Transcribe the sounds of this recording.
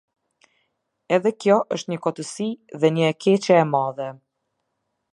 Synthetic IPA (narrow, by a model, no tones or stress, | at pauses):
ɛðɛkjɔʔəʃt̪ɲəkɔt̪əsiðɛɲəɛkʰɛt͡ɕɛːmaðɛ